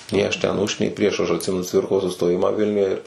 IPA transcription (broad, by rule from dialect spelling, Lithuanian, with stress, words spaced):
nʲɛɪ ˈɐʃ tʲɛn ˈʊʃ nʲɛɪ ˈpʲrʲiɛʃ ˈɐʃ ɐtʲˈsʲɪmʲɛnʊ ˈt͡sʲʋʲɪrkoːs sʊstoːˈjɪmɑː ˈʋʲɪlʲnʲʊjɛ ɪr